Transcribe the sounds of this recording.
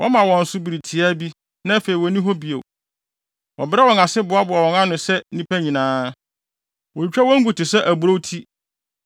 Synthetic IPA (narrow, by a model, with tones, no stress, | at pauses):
wʔɔ˦mã˨wɔ̃˨n̩˨˦sʊ˦bi˨ɾi˨tʰi˨a˦bi˦ | nã˦fe˨i˨wɔ˨˦nĩ˦ɦɔ˦bi˨o̰˨ | wɔ˨bɪ˦ɾɛ˦wɔ̃˨ŋa˨sɪ˦bʊ˨a˦bʊ˨a˨wɔ̃˨ŋã˦nʊ̃˨sɛ˦nĩ˦pʰæ˦ɲĩ˨nãː˦ | wɔ˨i˨t͡ɕᶣɛ˦wɔ̃˦ŋ̩˦ɡu˨tɪ˨sɛ˦ʔæ˨bʊ˨ɾo˦tʰi˦